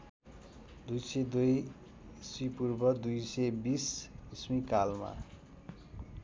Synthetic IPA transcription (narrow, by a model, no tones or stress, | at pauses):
d̪ujsed̪uj | sipurbʌd̪ujsebisismikalma̰